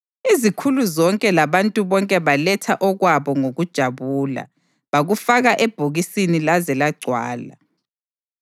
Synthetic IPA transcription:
izikʰuluzɔŋkʼɛlaβantʼuβɔŋkʼɛβalɛtʰaʔɔɣwaβɔŋoɣud̥ʒ̥ʱaβuːla̰ | βaɣufaɣaʔɛb̥ʱoɣisinilazɛlaɡ͡ǀʱwa̰ːla̰

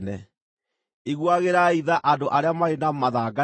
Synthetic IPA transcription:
nɛ | iɣwaɣeɾaiðaʔadoʔaɾeamaɾenamaðaɡa

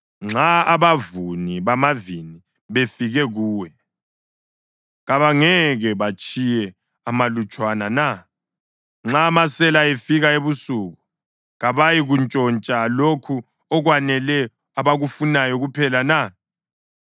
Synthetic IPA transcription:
ŋ͡ǁaaβavuniβamavini | βefiɣɛɣuːwɛ | ɣaβaŋɛɣɛβat͡ʃʼʰijɛ | amalut͡ʃʼwanana | ŋ͡ǁamasɛlaefiɣaeβusuɣu | ɣaβajiɣunt͡ʃʼɔnt͡ʃʼalokʰu | ɔɣwanɛlɛ | aβaɣufunajɔɣupʰɛlana

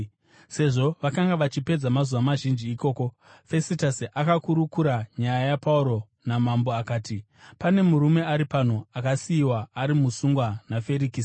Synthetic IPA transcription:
se̞ʐo̞ʋakaŋɡaʋat͡ʃipe̞d͡zamazuwamaʒind͡ʒiːko̞ːko̞ | fe̞sitasiʔakakuɾukuɾaɲajajapauɾo̞ | namambo̞akaːti | pane̞muɾume̞aɾipan̤oakasiːwaːɾimusuŋɡwanafe̞ɾikis

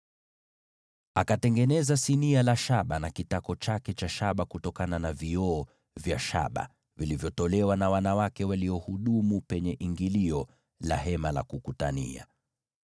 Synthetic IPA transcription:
akatɛŋɡɛnɛzasinialaʃaɓanakitakɔt͡ʃakɛt͡ʃaʃaɓakutɔkananaviɔː | vjaʃa̰ɓa̰ | vilivjɔtɔlɛwanawanawakɛwaliɔhuɗumupɛɲɛʔiŋɡiliɔ | la̰ɦɛmala̰kukutanḭa̰

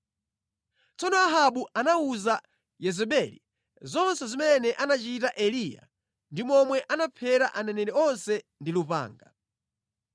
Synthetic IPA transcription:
t͡sɔnɔaɦaɓuʔanauza | jɛzɛɓɛlḭ | zɔnsɛzimɛnɛʔanat͡ʃitaʔɛlija̰ | ndimɔmwɛʔanapʰɛɾaʔanɛnɛɾɛɔnsɛndilupa̰ːŋɡa

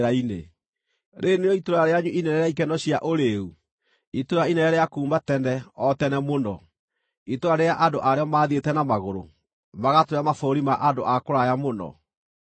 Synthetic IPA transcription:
ɾaine | ɾʔeneɔitoɾaɾeaɲuʔinɛɾɛɾɛaikɛnɔɕiaʔoɾeu | itoɾainɛɛɾɛjakuːmbatɛndɛɔtɛnɛmonɔ | itoɾaɾejaʔandoʔaɾeɔmaːðietɛnamaɣoɾo̰ | maɣatoɾamafoːɾimaʔandoʔakoɾajamonɔ̰

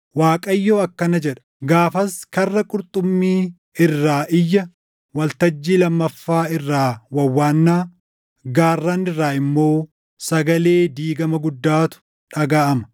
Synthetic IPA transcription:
waːkʼɐjːoːɐkːɐnɐd͡ʒɛᶑɐ̥ | ɡaːfɐskɐrːɐkʼʊɾt̪ʼʊmːiː | ɪrːaːʔɪjːɐ | wɐlt̪ɐd͡ʒːiːlɐmːɐfːaːɪrːaːwɐwːaːnːaː | ɡaːrːaːnɪrːaːɪmːo̞ː | sɐɡɐle̞ːd̪iːɡɐmɐɡʊd̪ːaːt̪ʊ̥ | ᶑɐɡaːʔɐmɐ

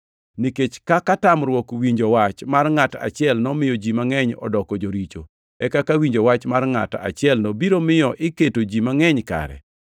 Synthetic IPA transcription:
niket͡ʃkakatamɾwɔkwiɲd͡ʒɔwat͡ʃmarŋata̰t͡ʃɪɛlnɔmɪjɔd͡ʒimaŋɛɲɔ̰dɔkɔd͡ʒoɾit͡ʃo̰ | ɛkakawiɲd͡ʒowat͡ʃmarŋa̰ta̰t͡ʃɪɛlnɔbiɾomɪjɔʔɪketod͡ʒimaŋɛɲka̰ɾɛ̰

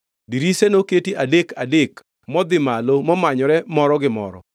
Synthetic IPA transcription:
diɾisenoketiʔadekadek | mɔd̪ɪmalomɔmaɲɔɾɛmɔɾɔɡɪmɔ̰ɾɔ̰

